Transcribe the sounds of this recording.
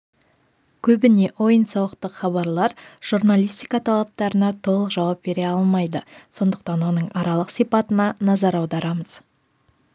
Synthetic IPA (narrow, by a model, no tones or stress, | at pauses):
kʲʰɵbɪne̞ʔo̞jənsɑwəqt̪əqχɑβɑɾlˠɑɾʒ̥uɾnalˠijst̪ijkat̪ʰɑlˠɑp̚t̪ɑɾənɑt̪ʰo̞lˠəqʒɑwɑp̚be̞ɾe̞ɑlˠmɑjd̪əso̞nd̪əqt̪ɑnwo̞nəɴɑɾɑlˠəqsijpɑt̪ənɑnɑzɑɾɑwd̪ɑɾɑməz̥